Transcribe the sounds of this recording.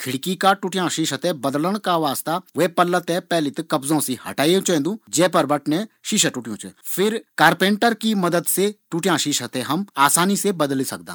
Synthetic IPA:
kʰɪɽkikaʈuʈjãʃiʃət̪ɛbɐd̪ləɽ̃kaʋaːst̪aʋeːpɐlːət̪ɛ̃pɛːlit̪kɐbzõsihɐ̰ʈaːjõt͡ʃẽːnd̪ũd͡ʒɛːpɐɾbɐʈnẽʃiʃəʈuʈijõ̰t͡ʃɛ̰fʰɪɾkaːɾpẽːɳʈəɾkimɐd̪əd̪seʈuʈjãːʃiʃət̪ɛɦɐmaːsaːnisebɐd̪lisɐ̰k̚d̪ã̰ː

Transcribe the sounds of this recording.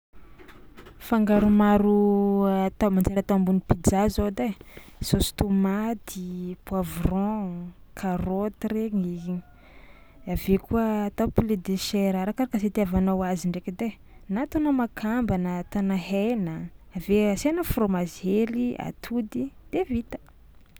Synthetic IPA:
faŋɡaɾumaɾu | t̪amand͡zeɾat̪ambunipid͡zazod̪esost̪omat̪ipwavrɔ̃kʰarot̪reŋi | avekuət̪apiled̪eʃeɾaɾakaɾakaset̪iavanowaziɳɖ͡ʐekid̪e | nat̪anomakʰambanət̪anaɦenəaveasenəfromazelia̰t̪ʰud̪id̪̥evit̪ə̥

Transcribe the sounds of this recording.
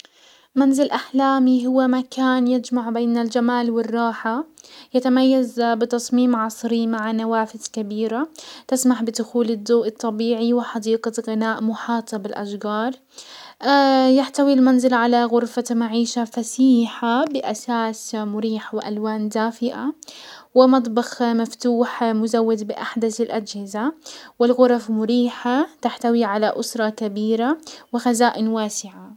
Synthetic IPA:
manzɪlʔaħlaːmiɦʊwːamakaːnjɪd͡ʒmaʕbeːnald͡ʒamaːlwɪrˤːɑːħajat̪amajːazbɪt̪ɑsˤmiːmʕɑsˤɾimaʕanawaːfɪz̥kabiːɾat̪ɪsmaħbɪd̪ʊxuːlɪd̪ːoːʔɨt̪ˤːɑbiːʕiwɪħɑd̪iːqaɣɪnaːʔmʊħɑːt̪ˤɑbɪlʔa̰ʃɡɑːɾˤ | jaħt̪awilmanzɪlʕalaɣʊɾfamaʕiːʃafasiːħabɪʔasaːsmʊɾiːħawɪʔalwaːnd̪aːfɪʔawɪmɑt̪̬ˤbɑxmaft̪uːħmʊzawːad̪bɪʔaħd̪aθɪlʔad͡ʒhɪzawɪlɣʊɾˤfmʊɾiːħat̪aħt̪awiʕalaʔʊsɾˤɑkabiːɾawɪxazaːʔɪnwaːsɪʕa

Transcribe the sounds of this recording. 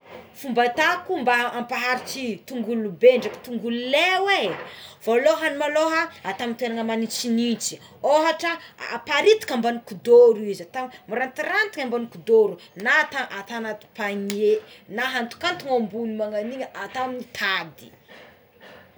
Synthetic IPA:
fumbat̪akumbaːmpaɦaɾit͡ʃit̪uŋɡulubeɳɖ͡ʐaki̥t̪uŋɡululewev̥oloɦanimaloɦaat̪amint̪enaŋəmanit͡sinit͡si̥ | oɦaʈ͡ʂəpaɾit̪i̥kambanukud̪oɾuizat̪ammuɾant̪irant̪iŋambanikud̪oɾunat̪aʔat̪anat̪i̥paɲienaɦant̪u̥kant̪uŋambunimaŋaniɲəʔat̪aminit̪ʰad̪i̥

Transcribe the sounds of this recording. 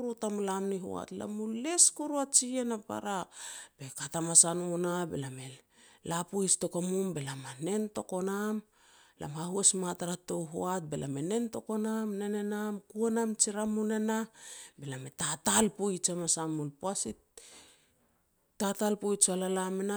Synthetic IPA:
ɾutamlamniɦo̰a̰tla̰mule̞skuɾuat͡ʃienapa̰ɾab̥e̞katamasanonabḛlame̞lapoisto̞kamumbe̞lamane̞nto̞ko̞nam | la̰maɦuesmataɾato̞wɦo̰at̚be̞lʔa̰me̞ne̞nto̞ko̞namnene̞namkuanamt͡ʃiɾamunenabe̞lame̞tatalpoit͡ʃamasamulpoasi | tatalpojt͡ʃalalamena

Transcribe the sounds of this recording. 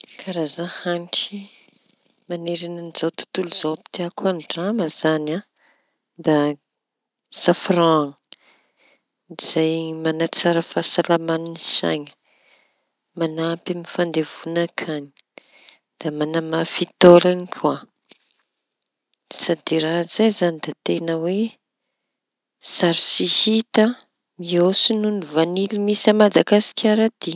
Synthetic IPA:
kʰaɾazahaniki | maneɾinanizawt̪u̥t̪uluzoapi̥t̪eakuanɖ͡ʐaməzana | d̪a | safraŋ | iz̥ajmanat͡saɾəfasalamaninisa̰jɲə̥ | manapimifand̪evunakʰaɲi̥ | d̪̥amanamafit̪olanikʰʲua | sad̪iɾaɦzajzanid̪at̪enəwe | saɾisihit̪ə | miosinunivanilimisəmad̪aɡasi̥kʲaɾad̪̥i

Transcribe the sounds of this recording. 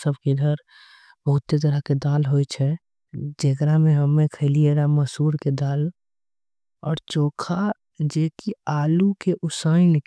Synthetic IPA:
səb̚ʱkid̪ʱəɾ | bəɦʊt̪set̪̬əɾəɦked̪aːlɦojt͡ʃʰɛ | d͡ʒekɾamẽɦəmːẽkʰəlieɾaməsuːɾked̪aːl | ɔːɾt͡ʃoːkʰa | d͡ʒeːkiaːlukeʔʊsəɪnk

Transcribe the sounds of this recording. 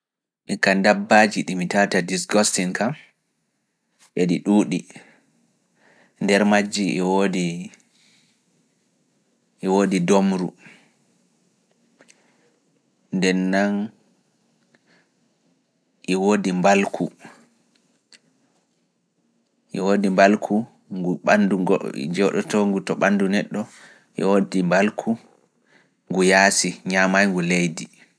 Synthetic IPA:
ʔikandabːad͡ʒiɗimitatadisɡɔstiŋkam | ʔeɗiɗuːɗi | ndɛɾmad͡ʒːiwodi | ʔːwoːdidomɾṵ | ndɛnːan | ʔiwoːdimbalkʰu | ʔiwoːdimbalkʰu | ŋɡuɓandṵd͡ʒɔɗɔ̰tɔŋɡutɔɓandunɛɗːɔ | ʔḭwodimbalkʰu | ŋɡujaːsiɲamajŋɡulejdi

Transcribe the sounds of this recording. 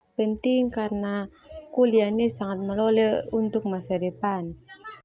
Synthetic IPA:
pənt̪ɪŋkarəna | kulianesaŋat̪̚məloleunt̪ʊk̚masaɾepan

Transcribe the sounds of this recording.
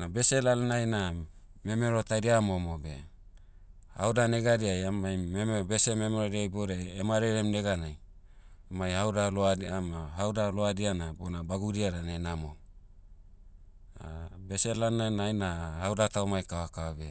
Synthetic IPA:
nabe̞selalnajname̞me̞ɾo̞tajɾiamo̞mobe̞̰ | ha̰wdane̞ɡaɾiajamajmembe̞seme̞meɾoɾiajboɾeemaɾeɾemne̞ɡanaj | majhawdaloaamaɦawdaloadianabonabaɡuɾiaɾanenamo̞ | a̰beselalnajnajnahawdataomajkawakaobe̞

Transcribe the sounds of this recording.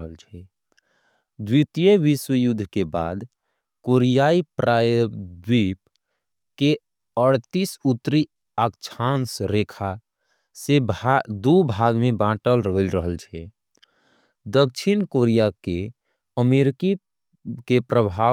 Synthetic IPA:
ɦəlt͡ʃʰɛ | d̪wit̪ijeʋiswəjud̪ʱkeba̰ːd̪ | koɾijaipɾajəd̪wip | ke | əɽt̪isut̪ɾi | əkt͡ʃʰansɾekʰa | sebd̪ubʱaɡmebãʈəlɾəɦlɾəɦəlt͡ʃʰɛ | d̪ək̚t͡ʃʰinkoɾijake | əmeɾki | kepɾəbʱa

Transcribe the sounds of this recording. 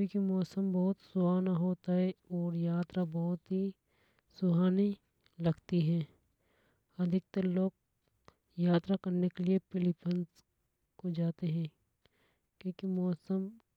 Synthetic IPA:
ikimɔːsəmbɔɦʊt̪sʊaːnaɦoːt̪aɦɛɔːɾjaːt̪ɾabɔɦʊt̪ɦi | sʊɦaːni | lɐɡt̪iɦɛ̃ː | ɐd̪ʱɪk̚t̪əloːɡ̚ | jaːt̪ɾakɐɾnekeliepɪlɪpʰəns | kod͡ʒaːt̪eɦɛ̃ː | kjõːkimɔːsəm

